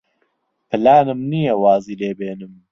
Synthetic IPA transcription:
pʰɨlaːnɨmnijɐwaːziːleːbeːnɨm

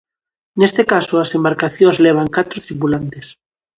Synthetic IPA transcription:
nest̪ekasoasembaɾkaθjõzleβ̞aŋkat̪ɾot̪ɾipulant̪es

